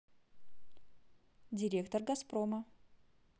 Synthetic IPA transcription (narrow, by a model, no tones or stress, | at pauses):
d̪ʲɪɾʲekt̪oɾɡɐspɾɔmɐ